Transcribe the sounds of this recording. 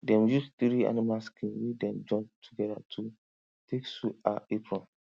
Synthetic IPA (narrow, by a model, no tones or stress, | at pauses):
dɛ̃mjusθɾia̰nĩmalskʰĩnwidɛ̃md͡ʒɔ̃k̚tʰuɡɛda̰tʰu | tʰeksuaepɹɔ̃n